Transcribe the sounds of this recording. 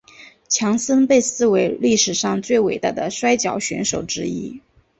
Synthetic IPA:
t͡ɕʰjɑ˧˥ŋsə˥npe˥˧ɪsɹ̩˥˩we˧˥ɪli˥˩ʂɻ̩˨˩ʂɑ˥˧ŋt͡swe˥˩ɪwe˨˩ɪt̪a˥˩d̪ə˩ʂwa˥ɪt͡ɕjɑ˨˩ʊɕɥɛ̰˧˥nʂo˨˩ʊʈ͡ʂɻ̩˥ḭ˥

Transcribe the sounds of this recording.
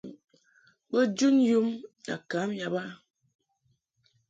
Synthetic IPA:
bə˦d͡ʒu˦nju˦ma̰˨ka˨˦mja˨ba˦

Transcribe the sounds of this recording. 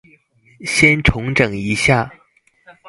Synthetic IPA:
ɕjɛ˥nʈ͡ʂʰʊ˧˥ŋʈ͡ʂɤ˨˩ŋi˧˥ɕja˥˩

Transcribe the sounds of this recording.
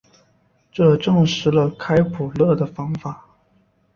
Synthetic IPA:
ʈ͡ʂɤ˥˧ʈ͡ʂɤ˥˩ŋʂɻ̩˧˥lə˧kʰa˥ɪpʰu˨˩lɤ˥˩d̪ə˩fɑ˥ŋfa˨˩˦

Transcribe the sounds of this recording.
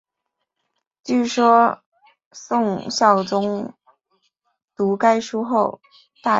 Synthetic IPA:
t͡ɕy˥˩ʂwɔ˥ | sʊ˥˧ŋɕjɑ˥˩ʊt͡sʊ˥ŋ | t̪u˧˥ka˥ɪʂu˥xo˥˧ʊ | t̪a˥˩

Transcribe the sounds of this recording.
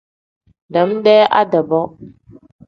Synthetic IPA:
da˨˦mɗɛ˦ʔa̰˦da˨bɔ˦

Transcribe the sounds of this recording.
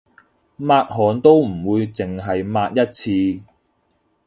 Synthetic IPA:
maː˧t̚ɦɔː˨˩nt̪o˥wm̩˨˩wuː˨˧jt͡sɪ˨˩ŋɦɐ˨jmaː˧t̚jɐ˥t̚t͡sʰiː˧

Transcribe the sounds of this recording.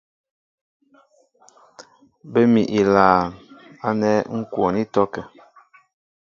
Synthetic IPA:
bə˦mi˨ʔi˨laː˨a˦nɛ˦ŋ̩˦kwɔ˨ni˦tɔ˦kɛ˨

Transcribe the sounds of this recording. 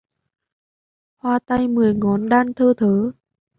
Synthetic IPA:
hwaː˧˩t̪a˧jmɨ˨˩əjŋɔ˨˦nɗaː˧nt̪ʰəː˧t̪ʰəː˨˦

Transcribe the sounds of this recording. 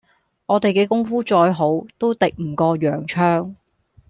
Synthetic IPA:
ɔː˨˧t̪e˨jkɛː˧kʊ˥ŋfuː˥t͡ʃɔː˧jɦo˨˥wt̪o˥wt̪ɪ˨k̚m̩˨˩kɔː˧jœː˨˩ŋt͡ʃʰœː˥ŋ

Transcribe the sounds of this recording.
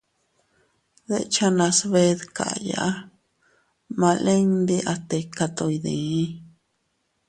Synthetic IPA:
ðe˧t͡ʃa˧nã˧sβe˧ðka̰˨˧ja̰˧ʔa˦ | mã˧lẽ˦ŋd̪i˧ʔa˧t̪e˧ka˧t̪o˧i˧ðẽ˨˦

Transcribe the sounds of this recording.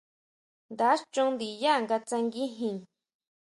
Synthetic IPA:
nd̪a˨˦ʂt͡ʃũ˦nd̪i˨ja˦˨ŋɡa˧t͡sa˧ŋɡi˦ɦĩ˨ŋ

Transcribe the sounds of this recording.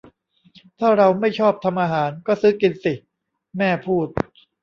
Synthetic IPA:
t̪ʰaː˥˩ɾa˧wma˥˩jt͡ɕʰɔː˥˩p̚t̪ʰa˧mʔaː˧ɦaː˩˦nkɔː˥˩sɯː˦˥ki˧nsi˨˩ | mɛː˥˩pʰuː˥˩t̪̚

